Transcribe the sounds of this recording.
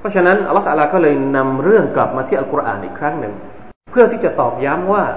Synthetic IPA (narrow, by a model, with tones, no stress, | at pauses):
pʰɾɔ˦˥t͡ɕʰa˧na˦˥nʔa˧lɔː˦˥t̪ʰa̰˧laː˧kɔː˥˩lɤː˧jna˧mɾɯ˥˩əŋkla˨˩p̚maː˧i˥˩ʔkɾa˧ʔa̰ː˨˩nʔiː˨˩kʰɾa˦˥ŋnɯ˨˩ŋ | pʰɯ˥˩ət̪ʰiː˥˩t͡ɕa˨˩t̪ɔː˨˩k̚ja˦˥mwaː˥˩